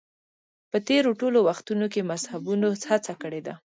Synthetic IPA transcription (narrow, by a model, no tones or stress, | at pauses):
pət̪eɾoʈolowaxt̪unok̬emazhabunoshat͡sakəɽed̪a